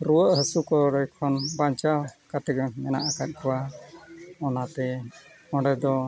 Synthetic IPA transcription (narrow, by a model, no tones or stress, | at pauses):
ɾuwəʔɦəsukɔɾɔjkʰɔnbaɲt͡ʃawkat̪ɛɡɛmɛna̰ʔakat̪̚ˀkɔwa | ɔnat̪ɛ | ɔ̃ɖɛd̪ɔ